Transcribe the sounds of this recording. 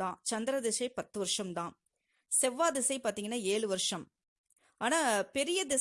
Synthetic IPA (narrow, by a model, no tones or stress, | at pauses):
d̪ãːt͡ʃɐnd̪ɪɾɐd̪ɪsɐɪpɐt̪ːɯʋɐɾʂɐmd̪ãː | sɛʋːaːd̪ɪsɐɪpaːɾt̪iːŋɡɐnːaːeːɭɯʋɐɾʂɐm | aːnaːpɛɾɪjɐd̪ɪs